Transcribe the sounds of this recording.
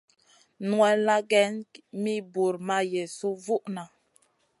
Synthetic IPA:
nwɛ˨la˦ɡɛ˦nmi˦bu˨ɾma˦je˨su˦vu˦ʔna˨

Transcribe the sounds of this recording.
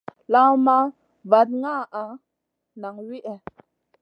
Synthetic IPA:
la˦ma˦ | va˨t̚ŋa˦˨ʔa˨ | na˨ŋwi˦ʔɛ˨

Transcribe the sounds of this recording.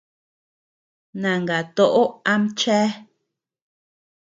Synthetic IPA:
nã˨ŋɡa˨t̪o˦ʔo˦a˦m˦t͡ʃɛː˦

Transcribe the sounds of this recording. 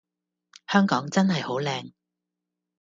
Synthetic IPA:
hœː˥ŋkɔː˨˥ŋt͡sɐ˥nhɐ˨jho˨˥wlɛː˧ŋ

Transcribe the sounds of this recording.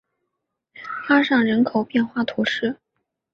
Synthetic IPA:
fa˥ʂɑ˥˩ŋɻə˧˥nkʰo˨˩ʊpjɛ˥˧nxwa˥˩t̪ʰu˧˥ʂɻ̩˥˩

